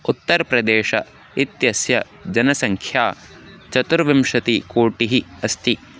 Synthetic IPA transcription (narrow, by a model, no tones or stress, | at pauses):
ut̪ːɐɾɐpɾɐd̪eːʃɐ̰ | it̪jɐsjɐ | d͡ʒɐnɐsɐŋkʰjaː | t͡ʃɐt̪uɾʋimʃɐt̪ikoːʈiɦiɐst̪i